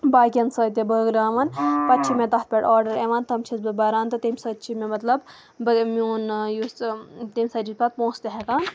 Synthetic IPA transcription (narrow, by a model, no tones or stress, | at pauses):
baːkʲɐnsəːt̪̬ʲɐbəːɡɾaːʋɐnpɐt̪t͡ʃʰimet̪ɐt̪̚pʲeʈoːɾɖɐɾeʋaːnt̪ɐmt͡ʃʰisbɨbɐɾaːnt̪ɨt̪imʲsɐːt̪t͡ʃʰimemɐt̪lɐb | bɐmioːnjust̪imʲsɐt͡ʃit̪̚pɐt̪̚põːst̪eɦek̪aːn